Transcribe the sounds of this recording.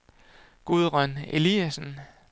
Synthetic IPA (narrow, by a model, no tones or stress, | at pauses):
ɡ̥uðˠʁɶne̝liæsn̩